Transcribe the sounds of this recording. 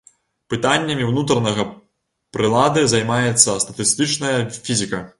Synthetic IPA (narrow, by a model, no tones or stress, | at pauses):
pɨt̪anʲːɐmʲiwnut̪ɾɐnɐɣɐ | pɾɨlˠad̪ɨzɐjmajɛt̪sːɐst̪ɐt̪ɨst̪ɨt͡ʂnɐjɐfʲizʲikɐ